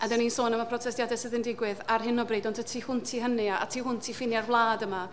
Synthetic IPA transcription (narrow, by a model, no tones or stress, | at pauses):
adɛniːnsoːnəmapʰrɔtʰɛstjadɛsɪðɪndɪɡwɪðarɦɪnɔbriːdɔntʰətʰiːhʊntʰiːɦəniaa̰tʰiːhʊntʰiːfɪnjarvlˠaːdəma